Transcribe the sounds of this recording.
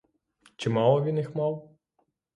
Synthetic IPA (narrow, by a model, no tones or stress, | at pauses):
t͡ʃɪmɑlˠɔʋʲinjixmɑw